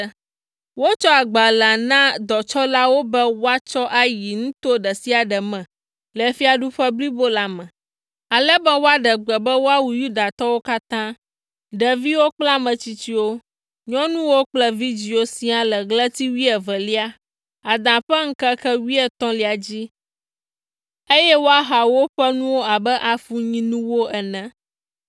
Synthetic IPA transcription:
wo˦t͡ʃɔ˦a˨ɡ͡ba˨lã˨nã˦d̪ɔ˨t͡ʃɔ˦la˦wo˦bɛ˦wo˦a˦t͡ʃɔ˦ʔa˨ji˨ŋũ˦t̪o˦ɖɛ˨si˦a˨ɖɛ˨mɛ̃˨ | lɛ˨˦fi˦a˨ɖu˦ɸɛ˦bli˦bo˦la˨mɛ̃˨ | a˨lɛ˦bɛ˦wo˦a˦ɖɛ˨ɡ͡bɛ˨bɛ˦wo˦a˦wu˨ju˦d̪a˨t̪ɔ˦wo˦ka˦t̪ã˦ | ɖə˨vi˦wo˦k͡pla˦mɛ̃˨t͡ɕi˦t͡ɕi˦wo˦ | ɲɔ̃˦nũ˦wo˦k͡plɛ˦vi˦d͡ʑi˨o˦sĩ˦a˨lɛ˨ɡlɛ˦t̪i˦wi˦ɛ˨vɛ˨li˦a˦ | a˨d̪ã˨ɸɛ˦ŋ̩˦kɛ˦kɛ˦wi˦ɛ˨t̪ɔ̃˦li˨a˨d͡ʑi˦ | e˦jɛ˦wo˦a˦ɦa˨wo˦ɸɛ˦nũ˦wo˦a˨bɛ˦ʔa˨fu˦ɲĩ˦nũ˦wo˦ʔɛ˨nɛ̃˨

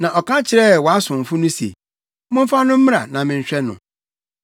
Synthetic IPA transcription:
nã˨ʔɔ˨kã˦t͡ɕʰɪ˨ɾɛ˦˨wɔ˨a˦sʊ̃˨m̩˨fʊ˦nʊ̃˦sḛ˨˦ | mʊ̃˦m̩˦fa˦nʊ̃˦m̩˦m˦ɾa˨nã˨mɪ̃˨ɲ̩˨ɕᶣɛ˦nʊ̰̃˨

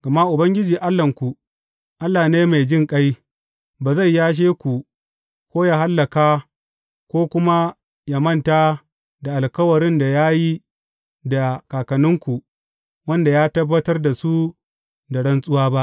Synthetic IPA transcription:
ɡ̥a˨ma˦ʔʊ˨bɐ˦ŋɡʲɪ˦d͡ʒiː˨ʔa˦lːɐ˨ŋkʷu˨ | ʔa˦lːaː˨neː˦ma˨jd͡ʒɪ˦ŋkʼa˦j | baː˨za˦˨jjaː˦ʃ̬eː˦kʷu˨ | kʷoː˦jaː˦ɦa˦lːɐ˨kaː˦ | kʷoː˦kʷʊ˦ma˦ | ja˨mɐ˦˨nta˦ | da˨ʔa˨lkɐ˦wɐ˨ɾɪ˦nda˨jaː˦ji˦ | da˨kaː˨kɐ˨nʊ˦ŋkʷu˨ | wɐ˦nda˨jaː˦tɐ˦bːɐ˦tɐ˦rda˨su˦ | da˨ɽɐ˦nsʼʊ˦waː˦ba˦ʔ

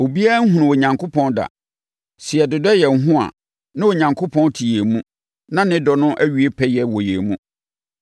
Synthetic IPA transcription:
o˨bi˦a˦ŋ̩˦ɦũ˨nʊ̃˨wɔ˨ɲã˨ŋkʰo˦pʰɔ̃˦nda̰˨ | si˨ɛ˨dɪ˨dɔ˦jɛ˨ŋ̩˦ɦʊ̃˦a̰˨ | nã˦wo˨ɲã˨ŋkʰo˦pʰɔ̃˦ntʰi˨jɛ˨mũ˦ | nã˦nɪ̃˦dɔ˨nʊ̃˦ʔæ˦ɥi˨e˦pʰɛ˦jɛ˨wɔ˨jɛ̰˨mũ˦

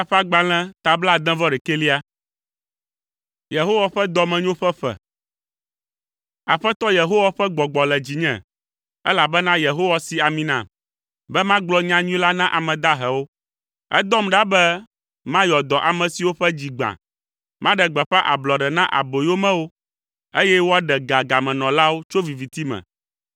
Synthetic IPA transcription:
a˦ɸa˦ɡ͡ba˨l̃ɛ̃˦t̪a˨bla˦˨d̪ɛ̃˦vɔ˦ɖɛ˨ke˦li˦a˦ | je˨ɦo˦wa˨ɸɛ˦d̪ɔ˨mɛ̃˨ɲ˦õ˦ɸɛ˦ɸɛ̰˨ | a˨ɸɛ˦t̪ɔ˦je˨ɦo˦wa˦ɸɛ˦ɡ͡bɔ˨ɡ͡bɔ˨lɛ˨d͡ʑi˨ɲɛ̰̃˨ | ɛ˦la˨bɛ˦nã˦je˨ɦo˦wa˦si˨a˨mĩ˦nã̰˨ | bɛ˦mã˦ɡ͡blɔ˦ɲã˦ɲĩ˦la˦nã˦ʔa˨mɛ̃˨d̪a˦ɦɛ˨wo˦ | ɛ̰˦d̪ɔ˦mɖa˦bɛ˦ | mã˦jɔ˨d̪ɔ˨ʔa˨mɛ̃˨si˨wo˦ɸɛ˦d͡ʑi˨ɡ͡bã̰˨ | mã˦ɖɛ˨ɡ͡bɛ˨ɸɛ˦ʔa̰˨blɔ˨ɖɛ˨nã˦ʔa̰˨bo˨jo˦mɛ̃˦wo˦ | e˦jɛ˦wo˦a˦ɖɛ˨ɡa˨ɡa˨mɛ̃˨nɔ̃˨la˦wo˦t͡ʃo˦vi˨vi˨t̪i˦mɛ̰̃˨

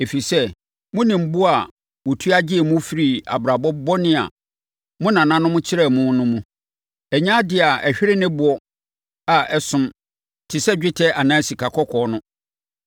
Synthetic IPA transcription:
e˨fi˨sɛ˦ | mʊ̃˦nĩ˨m̩˦bʊ˦a˨ | wo˨tʰu˦a˦d͡ʑɪ˦ɛ˨mʊ̃˦fi˨ɾi˨a̰˨bɾa˨bɔ˦bɔ˦nɪ̃˦a̰˨ | mʊ̃˦nã˨nã˦nʊ̃˦mʊ̃˦t͡ɕʰɪ˦ɾɛ˦˨mʊ̃˦nʊ̃˦mũ˦ | ɛ˨ɲã˦dɪ˨a˨ɛ˨ɕᶣɪ˦ɾɪ˦nɪ̃˦bʊ˨ɔ˦ | a˨ʔɛ˦sʊ̃˦m | tʰɪ˨sɛ˦d͡ʑᶣɪ˦tʰɛ˦ʔa˨nã˦si˨kʰa˨kʰɔ˦kʰɔː˨˦nʊ̃˦

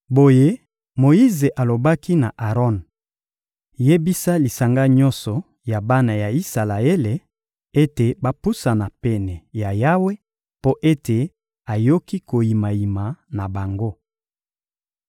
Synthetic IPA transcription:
bo˨je˦ | mo˨i˦ze˨ʔa˨lo˨ba˦ki˦na˨ʔa˨ʁɔ˦n | je˦bi˦sa˦li˨sa˨ŋɡa˦ɲɔ̃˦nsɔ˨ | ja˨ba˦na˨ja˨i˦sa˨la˨e˦le˨ | e˦te˨ba˦pu˦sa˨na˨pɛ˨nɛ˨ja˨ja˦we˦ | po˦ʔe˦te˨ | a˨jo˦ki˦ko˨ji˨ma˨ji˨ma˨na˨ba˨ŋɡo˦

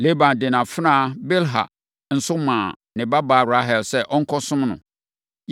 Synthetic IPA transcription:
le˦bã˨ndɪ˨nã˨fnã˦˨be˦lɦa̰˨ | n̩˨sʊ˦mãː˨ | nɪ̃˨ba˦baː˨˦˨wɾa˦ɦɛ˨lsɛ˦ʔɔ˦ŋ̩˦kʰɔ˦sʊ̃˦mnʊ̰̃˨

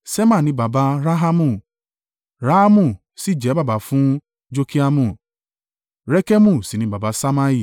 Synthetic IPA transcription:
sɛ˦mã˦˨nĩ˨˧˦ba˨ba˨˧ɾa˦ɦa˦mũ˦˨ | ɾa˦a˦mũ˦˨ | si˦˨d͡ʒɛ˨˦ba˦˨ba˨˦fũ˦ | d͡ʒo˦ki˦a˧mũ˦˨ | ɾɛ˦kɛ˦mũ˦˨si˨nĩ˧˦ba˨ba˨˧˦sa˦ma˦i˦˨

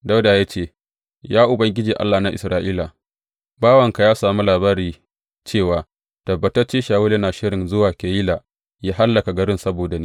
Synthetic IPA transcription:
da˦wdaː˨ja˦t͡ʃeː˦˨ | jaː˦ʔʊ˨bɐ˦ŋɡʲɪ˦d͡ʒiː˨ʔa̰˦lːaː˨na˦ʔɪ̰˨sɾaː˦ʔiː˦la˨ | baː˦wɐ˨ŋka˨jaː˦saː˨mu˦laː˨baː˦ɾiː˨ | t͡ʃeː˦˨waː˨ | tɐ˨bːɐ˨tɐ˦rt͡ʃeː˦ʃaː˨wʊ˦ɐ˦naː˨ʃɪ˦ɽɪ˨nzʊ˦waː˨kʲɐ˨jiː˦laː˨ | jaː˦ɦa˦lːɐ˨ka˨ɡɐ˦ɽɪ˦nsɐ˦boː˨da˨niː˦

